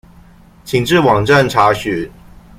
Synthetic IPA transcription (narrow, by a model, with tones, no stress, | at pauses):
t͡ɕʰi˨˩ŋʈ͡ʂɻ̩˥˨wɑ˨˩ŋʈ͡ʂa˥˨nʈ͡ʂʰa˨˥ɕy˨˩˦